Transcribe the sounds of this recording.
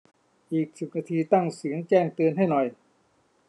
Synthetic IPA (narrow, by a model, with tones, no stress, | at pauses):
ʔiː˨˩k̚su˨˩k̚naː˧t̪ʰiː˧t̪a˥˩ŋsɯ˩˦əŋt͡ɕɛː˥˩ŋt̪ɯ˧ənɦa˥˩jnɔ˨˩j